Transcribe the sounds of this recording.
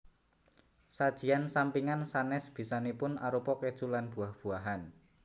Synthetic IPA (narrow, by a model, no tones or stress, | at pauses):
sad̥ʒ̥i̤ansampiŋansanɛsb̥i̤sanepʊnaɾupɔked̥ʒ̥ṳlanb̥ṳahb̥ṳaɦan